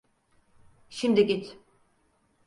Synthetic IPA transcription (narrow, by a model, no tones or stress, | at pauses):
ʃimd̪iɟit̪